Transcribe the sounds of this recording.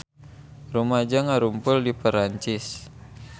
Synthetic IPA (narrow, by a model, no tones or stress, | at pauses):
rumad͡ʒaŋaɾumpʊldipəɾaɲt͡ʃɪs